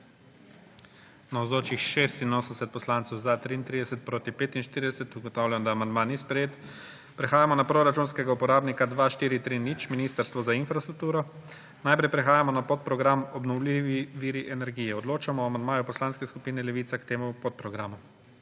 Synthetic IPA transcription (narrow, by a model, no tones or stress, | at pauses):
nawzoːt͡ʃixʃest̪inoːsənsɛt̪̚pɔslant̪sɛwzat̪ɾiːnt̪ɾid̪ɛsɛt̪̚pɾoːt̪ipeːt̪inʃt̪iɾid̪ɛsɛt̪uɡɔt̪awlʲjanɔd̪aːmand̪maniːspɾɛjeːt̪ | pɾɛxaːjamɔnapɾoɾat͡ʃunskɛɡaupɔɾaːbnikad̪ʋaʃt̪iːɾit̪ɾinit͡ʃminiːst̪əɾst̪ʋɔzainfɾast̪ɾuk̚t̪uːɾɔ | najpɾɛjpɾɛxaːjamɔnapot̪̚pɾɔɡɾamɔbnɔwliʋiʋiːɾiʔɛnɛɾɡiːjɛɔd̪loːt͡ʃamɔamand̪maːjupɔslaːnskɛskupiːnɛlɛʋiːt̪sakt̪eːmupot̪̚pɾɔɡɾaːmu